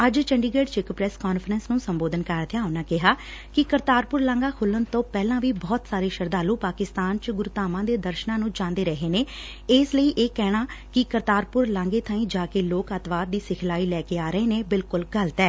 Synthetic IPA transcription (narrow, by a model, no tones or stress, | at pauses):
əd͡ʒt͡ʃəɳɖiːɡeːɖt͡ʃɪkpɾɛskɔːnfʰəɾənsnũːsəmboːd̪ənkaːɾt̪ʰɪjaːʊnãːkɪɦaː | kɪkəɾt̪aːɾpʊɾlãːŋɡaːkʰʊlːənt̪õːpɛːlãːʋiːbɔːt̪saːɾeːʃəɾd̪aːlũːpaːkɪst̪aːnt͡ʃɡʊɾʊt̪aːmãːd̪eːd̪əɾʃnãːnũːt͡ʃãːnd̪eːɾəɦeːneː | ɪːsləiːʔeːkɛːɽ̃aːkɪkəɾt̪aːɾpʊɾlãːŋɡeːt̪ʰãːĩːd͡ʒaːkeːloːkət̪ʋaːd̪̚d̪iːsɪkʰlaːiːlɛːkeːaːɾəeːneːbɪlkʊlɡələt̪ɛː